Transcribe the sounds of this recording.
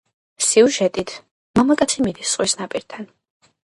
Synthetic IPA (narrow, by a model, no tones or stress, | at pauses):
siuʒɛt̪ʼit̪ʰ | mamakʼat̪sʰimid̪isːʼwisnapʼiɾt̪ʰan